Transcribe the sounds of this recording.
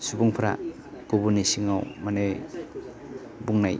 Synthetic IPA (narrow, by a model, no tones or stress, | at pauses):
subɔŋpʰaɾa̰ | kobunisiŋawmane | buŋnaj